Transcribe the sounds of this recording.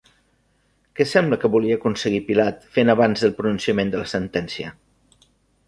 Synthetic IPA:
kɛsɛmbləkəβuliəːkunsəɣipilat̪fenəβanzðəlˠpɾununsiəmend̪ələsənt̪ɛnsiə̰

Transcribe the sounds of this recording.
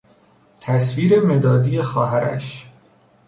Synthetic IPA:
t̪ʰæsviːɾeme̞d̪ɒːd̪ije̞xɒːɦæɾæ̰ʃ

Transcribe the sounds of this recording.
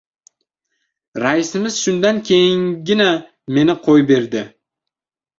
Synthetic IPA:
ɾaɪsɪmɪzʃʊnd̪ankʲʰe̞jɪŋɡʲɪna | me̞nɪqʰojbe̞ɾd̪ɪ

